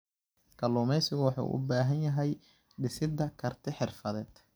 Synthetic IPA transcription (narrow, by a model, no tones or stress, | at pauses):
kʰɐluːmɛjsɪɣʊwɑħṵʔʊ̰baːɦɐnjɐɦɛj | ɖɪsɪd̪ɐkʰɐrt̪ʰɪħɪrfɐðɛːd̪̥